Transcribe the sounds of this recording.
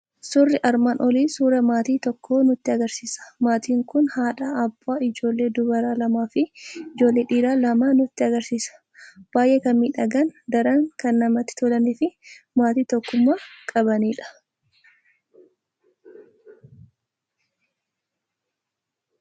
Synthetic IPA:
sʊrːɪʔɐɾmaːnʔɔliːsuːɾɐmaːt̪iːt̪ɔkʰːo̞ːnʊt̪ːɪɐɡɐɾsiːsɐ̥maːt̪iːŋkʊnhaːᶑaːbːaːɪd͡ʒo̞ːlːe̞ːd̪ʊbɐɾaːlɐmaːfɪɪd͡ʒo̞ːlːeːᶑiːɾaːlɐmaːnʊt̪ːɪɐɡɐɾsiːsɐ̥ | b̥aːjʔekɐnmiːᶑɐɡɐnd̪ɐɾɐŋkɐnːɐmɐt̪ːɪ̥t̪ɔlɐniːfɪ | maːt̪iːt̪ɔkːʊmːaːkʼɐbɐniːᶑɐ̥

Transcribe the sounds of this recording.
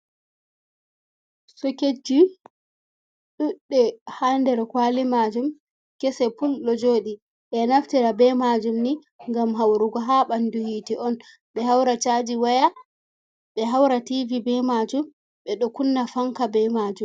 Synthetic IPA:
sɔked͡ʒi | ɗuɗːɛhandɛɾkwalimad͡ʒum | kɛsɛpulːɔd͡ʒoːɗi | ɓɛnaftiɾabɛmad͡ʒumni | ŋɡamɦawɾuɡɔɦaɓanduhiːtiʔɔn | ɓɛɦawɾat͡ʃad͡ʒiwaja | ɓɛɦawɾativibɛmad͡ʒum | ɓɛɗɔkunːafaŋkabɛmad͡ʒum

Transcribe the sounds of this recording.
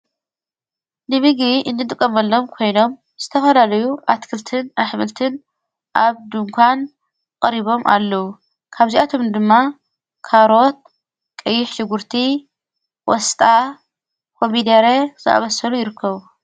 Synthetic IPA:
nɨmɨɡɾiʔɨndɨt̪ʼɨkʼːɐmɐlːo̞mkʰo̞jno̞m | z̥ɨt̪ʰɐfɐlalɐjuʔat̪kʰɨlt̪ʰɨnaħmɨlt̪ʰɨn | ʔaβd̪ɨŋkʷʰan | kʼɐɾiβo̞mʔa̰lːɐwu | kʰaβziʔat̪ʰo̞md̪ɨmːa | kʰaɾo̞t̪̚ | kʼɐjːɪħʃɪɡuɾt̪ʰi | wɔst̪ʼa | kʰo̞mid̪eɾezɨʔa̰βɐsɐlujɪɾɨkʰːɐβu

